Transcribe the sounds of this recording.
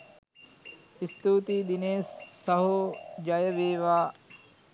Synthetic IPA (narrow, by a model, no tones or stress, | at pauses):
ist̪uːt̪id̪ineːsːɐɦud͡ʒɐjəʋeːʋaː